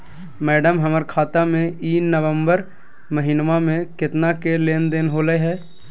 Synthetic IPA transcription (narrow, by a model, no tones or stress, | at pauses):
mɛːɖəmɦəməɾkʰaːt̪amẽiːnnːəʋəmbəɾ | məɦinmamẽkɪt̪nakeleːnd̪eːnɦoːləɦɛː